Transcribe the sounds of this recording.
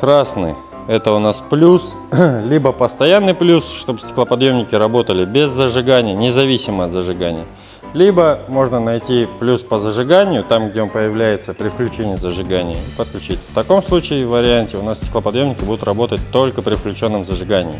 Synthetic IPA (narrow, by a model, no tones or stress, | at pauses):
kɾasnɨ̰ | ɛt̪əʊnasplʲus | lʲibəpəst̪ɐjanːɨjplʲusʂt̪o̞bsʲtʲɪ̥klˠəpɐd̪jo̞mnʲɪkʲɪɾɐbo̞t̪əlʲɪbʲɪzːəʐɨɡanʲɪjənʲɪzɐvʲisʲɪməɐt̪zəʐɨɡanʲɪjə | lʲibəmo̞ʐnənɐjtʲiplʲuspəzəʐɨɡanʲɪjʊt̪amɡ̚dʲeonpəjɪvlʲæjɪt̪səpɾʲɪfklʲʉt͡ɕenʲɪjɪzəʐɨɡanʲɪ̰jəipət̪̚klʲʉt͡ɕitʲft̪ɐko̞mslˠut͡ɕɪɪvəɾʲɪanʲtʲɪʊnassʲtʲɪklˠəpɐd̪jo̞mnʲɪkʲɪbud̪ʊt̪rɐbo̞t̪ətʲt̪o̞lʲkəpɾʲɪfklʲʉt͡ɕo̞nːəmzəʐɨɡanʲɪ̰jɪ